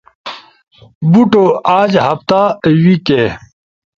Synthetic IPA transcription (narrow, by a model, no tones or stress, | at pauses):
buʈoaːd͡ʑɦɐpt̪awike